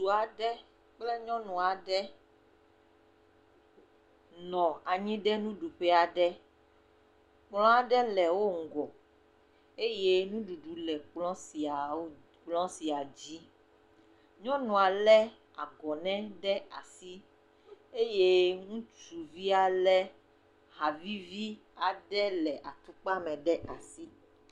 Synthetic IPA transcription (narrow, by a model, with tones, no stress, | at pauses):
su˨a˨ɖɛ˦ | k͡ple˦ɲɔ̃˦nũ˨a˨ɖɛ˦ | nɔ̃˨a˨ɲĩ˦ɖɛ˦nũ˦ɖu˨ɸɛ˦a˨ɖɛ˦ | k͡plɔ̃˦a˨ɖɛ˦lɛ˨wo˦ŋ̩˨ɡɔ˨ | e˦je˦nũ˦ɖu˨ɖu˨lɛ˨k͡plɔ̃˦si˨a˨˦ | k͡plɔ̃˦si˨a˨d͡ʑi˦ | ɲɔ̃˦nɔ̃˨a˨lɛ˦ | a̰˨ɡɔ˨nɛ̃˦ɖɛ˦a̰˨si˦ | e˦je˦ŋũ˦t͡ʃu˨vi˦a˨lɛ˦ | ha˨vi˦vi˦ | a˨ɖɛ˦lɛ˨ʔa˨t̪u˦k͡pa˦mɛ̃˨ɖɛ˦ʔa˨si˦